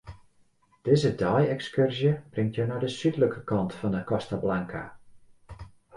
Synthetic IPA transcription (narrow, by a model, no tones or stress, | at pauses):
d̥ɪːzədɔjɛkskørzjəb̥rɪŋtʰjənɔdəsytləkəkɑntfɔndəkɔstablaŋkʰa̰